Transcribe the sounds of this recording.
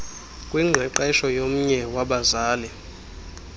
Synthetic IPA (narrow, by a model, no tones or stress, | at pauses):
kʼwiŋ͡ǁʱɛǃɛʃɔjom̩ɲɛwaɓazaːlɛ